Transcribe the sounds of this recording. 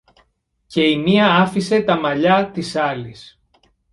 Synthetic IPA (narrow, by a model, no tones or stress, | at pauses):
ce̞imiɐɐfise̞t̪ɐmɐʎɐt̪isɐlis